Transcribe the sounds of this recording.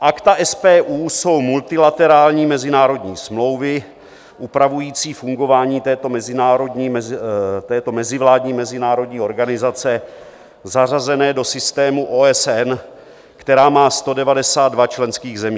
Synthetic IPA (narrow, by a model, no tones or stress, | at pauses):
ʔakt̪aʔɛspɛːʔuːso̞wmult̪ɪlat̪ɛɾaːlɲiːmɛzɪnaːɾo̞dɲiːsmlo̞wvɪ | ʔupɾavujiːt͡siːfuŋɡo̞vaːɲiːt̪ɛːt̪o̞mɛzɪnaːɾo̞dɲiː | t̪ɛːt̪o̞mɛzɪvlaːdɲiːmɛzɪnaːɾo̞dɲiːo̞ɾɡanɪzat͡sɛ | zarazɛnɛːdo̞sɪst̪ɛːmuʔoɛsɛn | kt̪ɛɾaːmaːst̪o̞dɛvadɛsaːd̪̚dvat͡ʃlɛnskiːɣzɛmiː